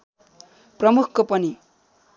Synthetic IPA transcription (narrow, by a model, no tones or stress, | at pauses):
prʌmukʰːopʌni